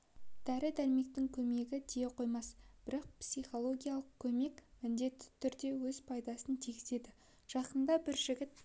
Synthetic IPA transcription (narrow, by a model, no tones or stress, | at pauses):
d̪̥æɾɪd̪ælme̞k̚t̪ɪŋkʲʰɵme̞ɡʲɪd̪ejeqʰo̞jmɑsb̥ɪɾɑq̚psijχo̞lˠo̞ɡʲijɑlˠəqkʲʰɵme̞kʲmɪnd̪e̞t̪ːɪ̥t̪ʰʏɾd̪e̞wɵz̥pʰɑjd̪ɑsənt̪ʰiɡʲɪze̞d̪ɪ | ʒ̥ɑqənd̪ɑbɪɾʒɪɡʲɪt̪̚